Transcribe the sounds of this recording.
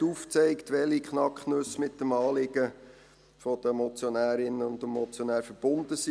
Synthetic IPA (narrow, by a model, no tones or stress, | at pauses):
uːft͡sɛɪktʋɛlikχnɑkχnɵsmɪt̚dəmɑːlɪɡ̥ə | fɔd̥̪əmɔt͡sjonæːɾɪnəʊndmɔt͡sjonæːɾfəɾb̥ʊnd̪əsi